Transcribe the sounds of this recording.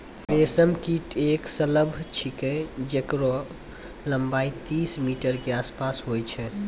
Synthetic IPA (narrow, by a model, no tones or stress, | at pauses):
ɾesəmkiʈeksələbʱt͡ʃʰikəd͡ʒekɾɔ | ləmbait̪ismiʈəɾkeaspasɦojt͡ʃʰɛ